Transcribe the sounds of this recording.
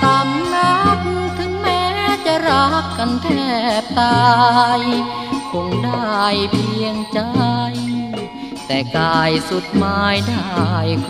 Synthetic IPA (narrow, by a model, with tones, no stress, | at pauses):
t̪a˧˩mla˧˥k̚n˧t̪ʰɯ˨˦ŋmɛː˦˥t͡ɕa˧˩ɾa˧˥kːa˧nt̪ʰɛː˧˩p̚t̪aː˧j | kʰo˧ŋda˥˩jpʰi˧əŋt͡ɕa˧j | t̪ɛː˨˩kaː˧˩jsu˨˩t̪̚maː˧˥jdaː˥˩˧j